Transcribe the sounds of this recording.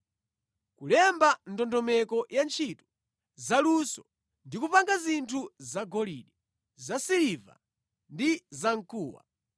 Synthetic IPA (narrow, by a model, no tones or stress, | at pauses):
kulɛmbandɔndɔmɛkɔjant͡ʃʰitu̥ | zalusɔ | ndikupaŋɡazintʰuzaɡɔlḭɗi | zasiliva̰ | ndizaŋkʰuːwa̰